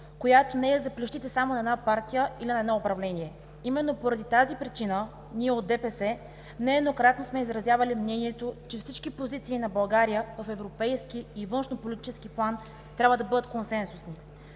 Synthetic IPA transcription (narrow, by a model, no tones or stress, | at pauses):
kojat̪onɛɛzɐpliʃt̪it̪ɛsamonɐɛd̪napaɾt̪ijəilinɐɛd̪nɔopɾɐvlɛniɛ | imɛnːopoɾɐd̪it̪azipɾit͡ʃinə | niɛot̪̚d̪ɛpɛsɛ | nɛɛd̪nokɾat̪nosmɛizɾɐzjavɐlimnɛniɛt̪ot͡ʃɛfsit͡ʃkipozit̪siːnɐbɐlˠɡaɾijəvɐfɛvɾopɛjskiːvɤnʃnopolʲit̪i̥t͡ʃɛskiplˠan | t̪ɾʲabvəd̪ɐbɤd̪ət̪̚konsɛnsusni